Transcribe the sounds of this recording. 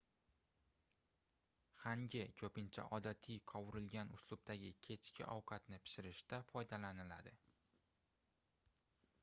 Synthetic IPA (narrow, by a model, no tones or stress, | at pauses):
haŋɡʲɪkʲʰɵpɪnt͡ʃʰa̰ʔɒd̪at̪ʰijqʰɒwɪɾɪlɡʲanʊslˠʊb̚t̪aɡʲɪkʲʰe̞t͡ʃkʲʰɪ̰ʔɒwqʰɑat̪nɪpʰɪ̥ʃɪɾɪʃt̪afɒjd̪alanɪla̰d̪ɪ